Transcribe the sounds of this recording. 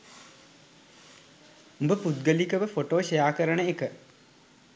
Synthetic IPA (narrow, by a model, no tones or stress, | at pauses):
umbəpud̪̚ɡəlikəʋəfoʈoːɕɐjaːkəɾəɳəekə